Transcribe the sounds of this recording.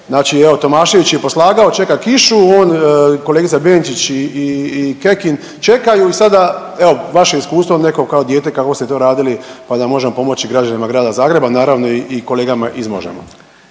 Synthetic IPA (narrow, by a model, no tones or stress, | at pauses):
znaːt͡ʃieo̞t̪o̞maːʃiʋit͡ɕijepo̞slˠaːɡao̞t͡ʃe̞kakiʃuoːnkoleɡit̪sabeːnt͡ʃit͡ɕiiːke̞kin | t͡ʃe̞kajuisad̪a | eo̞ʋaʃeiskuːst̪ʋoneko̞kao̞d̪jeːt̪e̞kakʋost̪et̪o̞ːɾaːd̪ilipad̪amo̞ʒemopo̞mo̞t͡ɕiɡɾad͡ʒanimaɡɾaːd̪azaːɡɾe̞banaːɾaʋno̞iʔiko̞leːɡamaʔizmo̰ʒḛmo̰